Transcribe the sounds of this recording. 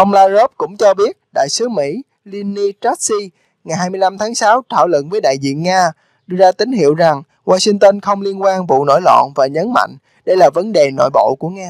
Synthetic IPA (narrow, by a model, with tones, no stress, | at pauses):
ʔə˧wŋ͡mlaː˧zo˦˥p̚kʊ̰˧˥ŋ͡mt͡ɕɔ˧ɓi˦˥ət̚ɗa̰ː˧˨jsɨ˨˦mḭ˧˥ | li˧ni˧t͡ɕa˦˥t̚si˧ | ŋa˨˩jhaː˧jmɨ˧əjla˧mt̪ʰaː˨˦ŋsaː˨˦wt̪ʰaː˧˩wlə̰˧˨nvəː˨˦jɗa̰ː˧˨jzḭ˧˨ənŋaː˧ | ɗɨ˧əzaː˧t̪ï˨˦ŋɦḭ˧˨əwza˨˩ŋ | waː˧si˧ŋt̪ə˧nxə˧wŋ͡mli˧ənkwaː˧nvṵ˧˨no̰˧˩jlɔ̰˧˨nvaː˨˩ɲə˨˦nma̰˧˨jŋ̟ | ɗə˧jlaː˨˩və˨˦nɗe˨˩no̰˧˨jɓo̰˧˨ku˧˩əŋaː˧